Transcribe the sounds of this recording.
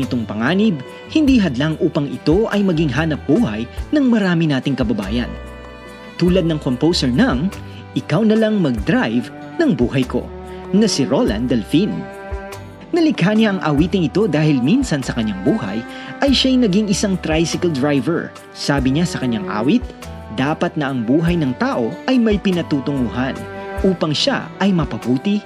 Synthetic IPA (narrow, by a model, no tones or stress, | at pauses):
ŋɪt̪oŋpɐŋaːnɪb | hɪnd̪iːɦɐd̪laŋʔuːpɐŋɪt̪o̞ʔɐjmɐɡiŋɦaːnɐp̚buːɦɐjnɐŋmɐɾaːmɪnaːt̪ɪŋkɐbɐba̰ːjɐ̰n | t̪uːlɐd̪̚nɐŋkompowsɛɹnɐŋ | ʔɪkawnɐlaŋmɐɡ̚d̪ɾajv | nɐŋbuːɦɐjko̞̰ | nɐsɪɾola̰nd̪ɛlfin | nɐlɪkhaːnaʔɐŋʔɐ̰wiːt̪ɪŋɪt̪o̞d̪aːhɪlminsɐnsɐkɐɲːaŋbuːhɐ̰jʔɐjʃajnɐɡiŋɪsaŋt̪ɾajsɪkɐld̪ɹajvɛ̰ɹ | saːbɪɲasɐkɐɲaŋʔa̰ːwɪt̪̚ | d̪aːpɐt̪̚nɐʔɐŋbuːɦɐjnɐŋt̪aːʔo̞ʔɐjmɐjpɪnɐt̪uːt̪ʊŋuːɦɐnʔuːpɐŋʃa̰ʔɐjmɐpɐbuːt̪i